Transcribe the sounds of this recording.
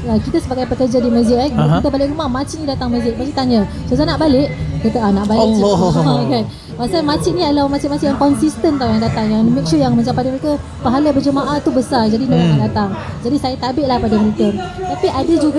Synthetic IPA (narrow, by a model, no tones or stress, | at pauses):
əkit̪asəbaɡajpəkərd͡ʒadiməzɪʔabkit̪əbalɪʔɾumahmãt͡ʃiʔnĩdat̪aŋmɛzɪʔ̚mat͡ʃiʔt̪aɲə | sozanaʔbalɪʔt̪ət̪əʔanaʔbalɪ | kan | pasalmãt͡ʃiʔnĩalawmat͡ʃit̪mat͡ʃiʔjaŋkɔnsist̪ənt̪awjaŋdat̪aŋjaŋmɛk̚t͡ʃujaŋmãt͡ʃampadəməɾeka | paɦaləbəd͡ʒəmaʔat̪ubəsard͡ʒadinəlanaʔdat̪aŋd͡ʒadisajat̪abɪʔ̚lahpadaməlikən | t̪apiʔadəd͡ʒuɡa